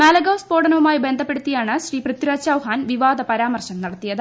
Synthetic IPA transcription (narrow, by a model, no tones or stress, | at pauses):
maːlɐɡɐwspo̞ːɽɐnɐʋumaːjibe̞nd̪ʱɐpːe̞ɽut̪ːijaːɳɨɕriːprɨt̪ːiɾaːt͡ɕaːwɦaːnʋiʋaːd̪ɐpɐɾaːmɐrɕɐmnɐɽɐt̪ːijɐðɨ